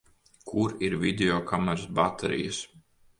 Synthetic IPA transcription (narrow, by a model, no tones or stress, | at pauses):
kʰuɾiɾvid̪ʲeɔkamɛɾasbat̪ʰɛ̰ɾḭjɐs